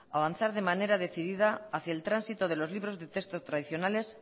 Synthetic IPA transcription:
aβanθaɾðe̞mane̞ɾað̞e̞θiðiðaaθjaelt̪ɾansit̪oð̞elo̞zliβɾo̞zðe̞t̪est̪ost̪ɾaðiθjo̞nale̞s

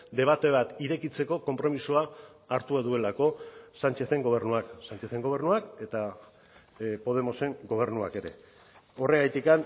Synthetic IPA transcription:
d̪e̞β̞at̪e̞β̞at̪iɾe̞kit͡se̞ko̞ko̞mpɾo̞misuaː | ɾt̪uaðue̞lako̞sant͡ʃe̞θe̞ŋɡo̞β̞e̞ɾnuaksant͡ʃe̞θe̞ŋɡo̞β̞e̞ɾnuake̞t̪a | po̞ð̞e̞mo̞se̞ŋɡo̞β̞e̞ɾnua̰ke̞ɾe̞̰ | o̞re̞ɣajt̪ikan

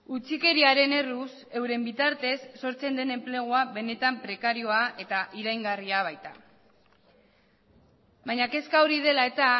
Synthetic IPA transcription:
ut͡sike̞ɾiaɾe̞ne̞ruse̞wɾe̞mbit̪aɾt̪e̞sːo̞ɾt͡se̞nd̪e̞ne̞mple̞ɣ̞oaβe̞ne̞t̪ampɾe̞kaɾio̞aʔe̞t̪aʔiɾajŋɡariaβ̞ajt̪a | bajɲake̞skaoɾið̞e̞lae̞t̪a

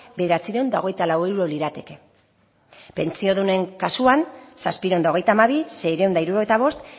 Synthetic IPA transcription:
beðe̞ɾat͡siɾend̪ao̞ɣe̞jt̪alaweɾuɾo̞liɾat̪e̞ke | pe̞̰nt͡sio̞ðune̞ŋkasuansaspiɾend̪aoɣe̞jt̪amaβise̞jɾend̪aiɾuɾoet̪aβ̞o̞st̪

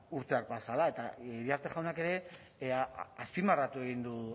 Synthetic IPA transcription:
uɾt̪e̞ak̚basalae̞t̪aβiaɾt̪eʝawnake̞ɾe̞ | aspimarat̪ue̞ɣind̪u

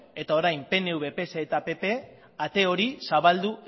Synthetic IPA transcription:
e̞t̪ao̞ɾajmpe̞ne̞uβe̞pe̞seet̪ape̞pe̞ | at̪e̞o̞ɾisaβald̪u

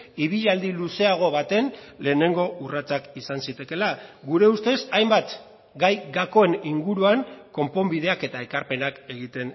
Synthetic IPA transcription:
iβ̞iʎald̪iluse̞aɣ̞o̞βat̪e̞nle̞ːne̞ŋɡo̞urat͡sakisansit̪e̞ke̞laɣuɾe̞ust̪e̞sajmbat̪ | ɡajɡako̞e̞niŋɡuɾuaŋko̞mpo̞mbið̞e̞ake̞t̪ae̞kaɾpe̞nake̞ɣit̪e̞n

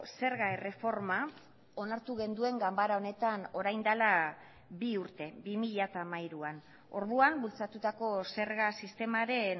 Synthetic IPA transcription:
se̞ɾɣaere̞fo̞ɾma | o̞naɾt̪uɣe̞nd̪ue̞ŋɡambaɾao̞ne̞t̪ano̞ɾajnd̪ala | biuɾt̪e̞bimiʎat̪amajɾuan | o̞ɾðuambult͡sat̪ut̪ako̞se̞ɾɣasist̪e̞maɾe̞n

